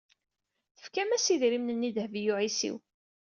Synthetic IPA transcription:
θəfkæmæsiðɾimnənːiðhvijuʕisḭw

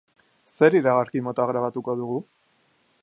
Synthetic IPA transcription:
se̞ɾiɾaɣ̞aɾkimo̞t̪oaɣɾaβat̪uko̞ðuɣu

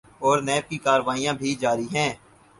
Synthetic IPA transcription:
ɔːɾnɛːb̚kikaːɾʋaːijãbʱid͡ʒaːɾiɦɛ̃ː

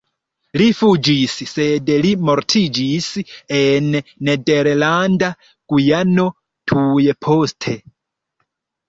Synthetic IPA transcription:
lifud͡ʒissedlimo̞ɾtʰid͡ʒisenːedeɾlanda | ɡ̥ujano̞ | tʰujepʰo̞stʰe

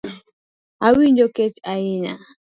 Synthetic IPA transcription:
awiɲd͡ʒoket͡ʃaɪɲa

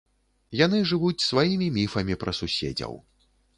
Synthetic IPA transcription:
jan̪ɨʐɨvut͡sʲsvajimʲimʲifɐmʲipɾʔɐsusʲḛd͡zʲɐ̰w

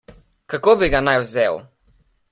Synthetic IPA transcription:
kakoːbiɡanajwzew

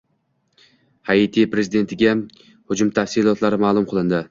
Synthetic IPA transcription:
hait̪ʰipɾe̞zɪd̪e̞nt̪ʰɪɡʲa | hʊd͡ʒʊmt̪ʰafsɪlˠɒt̪laɾɪmaːlˠʊmqʰɨlˠɪnd̪ɪ

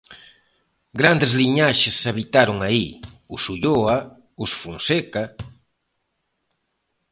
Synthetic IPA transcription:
ɡɾand̪ezliɲaʃesːaβit̪aɾʊŋaiusuʎoa | usfunseka

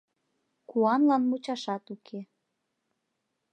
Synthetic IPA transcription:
kuɑnlɑnmut͡ɕɑʃɑt̪ukʰe

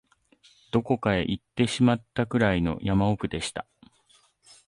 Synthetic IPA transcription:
d̪̥o̞ko̞kae̞ʔit̪ːe̞ɕimat̪ːakɯ̟ɾaino̞̰jamaokɯ̟d̪e̞ɕi̥t̪a̰

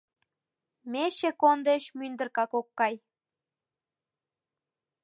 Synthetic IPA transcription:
meʃekond̪eʃmynd̪ə̆rkɑkokːɑj

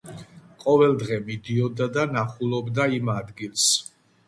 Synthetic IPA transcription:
qʼɔvɛlˠd̪ʁɛmid̪iɔd̪ad̪anaχulˠɔbd̪aimad̪ɡilˠs

